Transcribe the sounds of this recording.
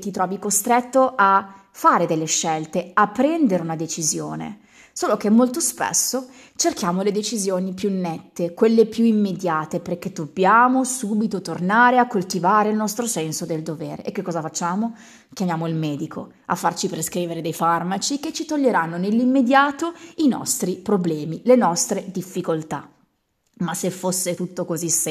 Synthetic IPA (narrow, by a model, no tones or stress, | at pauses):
t̪it̪ɾɔːvikost̪ɾet̪ːoʔa | fːaːɾed̪elːeʃːɛlt̪eapːɾɛnd̪eɾeunad̪et͡ʃizjo̰ːnḛ | soːlok̟emːolt̪ospḛsːo | t͡ʃerkjaːmoled̪et͡ʃizjoːnipjunːɛt̪ːekwelːepjuimːed̪jaːt̪eperk̟ed̪obːjaːmosuːbit̪ot̪ornaːɾeakːolt̪ivaːɾeilnɔst̪ɾosɛnsod̪eld̪ovḛːɾḛʔekːekːɔːzafat͡ʃːaːmo | k̟jamjaːmoilmɛːd̪ikʰo̰ | a̰fːart͡ʃipɾeskɾiːveɾed̪ejfarmat͡ʃiket͡ʃːit̪oʎːeɾanːonelːimːed̪jaːt̪oinɔ̰st̪ɾipɾoblɛːmilenɔst̪ɾed̪ifːikolt̪a̰ | masːefːosːet̪ut̪ːokozis